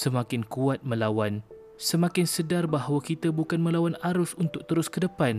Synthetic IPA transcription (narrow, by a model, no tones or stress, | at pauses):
səmãkɪnkuat̪̚mə̃lawan | səmãkɪnsədarbaɦwakit̪abukanmə̃lawanaɾʊsunt̪ʊk̚t̪əɾʊskədəpan